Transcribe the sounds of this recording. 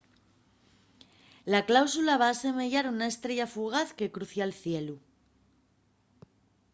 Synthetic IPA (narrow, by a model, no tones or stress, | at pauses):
laklawsulaβ̞aːse̞me̞ʝaɾunaest̪ɾe̞ʝafuɣ̞aθke̞kɾuθjalθje̞lu